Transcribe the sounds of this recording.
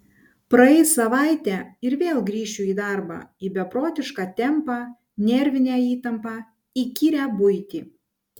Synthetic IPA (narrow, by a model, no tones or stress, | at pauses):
pɾɐɛɪsɐʋɑˑɪt̪ʲæːɪɾʋʲeːlˠɡɾʲiːʃʲʊiːd̪ɑˑɾbɑ̰ːiːbʲɛpɾoːt̪ʲɪʃkɑːt̪ʲɛmpɑː | nʲɛɾʲʋʲɪnʲæːiːt̪ɐmpɑː | ikʲiɾʲæbʊɪt̪ʲiː